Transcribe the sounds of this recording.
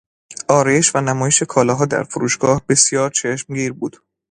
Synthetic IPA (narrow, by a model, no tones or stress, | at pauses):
ʔɒːɾɒjeʃvænæmɒːjeʃe̞kʰɒːlɒːɦɒːd̪æ̰ɾfoɾuːʃɡ̥ɒːhbe̞sjɒːɾt͡ʃʰeʃmɡiːɾbuːd̪̥